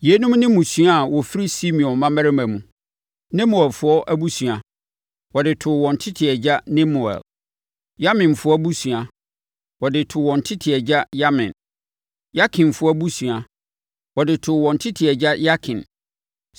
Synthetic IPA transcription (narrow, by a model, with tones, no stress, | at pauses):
je˨˦nũ˦mnɪ̃˦mũ˨sɥa˦˨wɔ˨fi˦ɾi˦si˦mĩ˨ɔ̃˨mã˦mæ˦ɾɪ˦mæ̃˨mũ˨ | nɛ̃˦mʊ˨ɛ˨lfʊ˦ɔ˦ʔæ˦bu˦su˨a˨ | wɔ˨dɪ˨tʰʊ˨wɔ̃˨ntʰɪ˦tʰɪ˨ɛ˨d͡ʑa˦nɛ̃˦mʊ˨ɛ̰˨l | ja˦mɪ̃˨nfʊ˦ɔ˦æ˦bu˦su˨a˨ | wɔ˨dɪ˨tʰʊ˨wɔ̃˨n˨tʰɪ˦tʰɪ˨ɛ˨d͡ʑa˦ja˦mɪ̰̃˨n | ja˦kʰɪ̃˨nfʊ˦ɔ˦æ˦bu˦su˨a˨ | wɔ˨dɪ˨tʰʊ˨wɔ̃˨ntʰɪ˦tʰɪ˨ɛ˨d͡ʑa˦ja˦kʰɪ̃˨n